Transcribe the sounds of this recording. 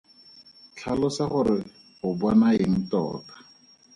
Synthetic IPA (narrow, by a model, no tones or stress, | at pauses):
t͡ɬʰalɔsaχʊɾɪ | χʊbɔnaeŋ̩tɔ̰ːkḁ